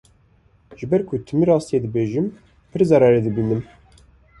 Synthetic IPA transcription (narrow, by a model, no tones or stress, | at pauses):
ʒ̥ɨbɛɾkʰʊt̪ʰɨmiɾɑːst̪ijeːd̪ɨbeːʒɨm | pʰɨɾzɑɾɑɾed̪ɨbiːnɨm